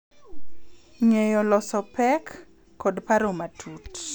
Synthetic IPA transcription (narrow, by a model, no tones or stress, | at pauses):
ŋejɔlɔsɔpɛkː | odpaɾomatʰut